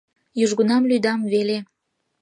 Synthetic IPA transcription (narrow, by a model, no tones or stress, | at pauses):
juʒɣunɑmlyd̪ɑmvele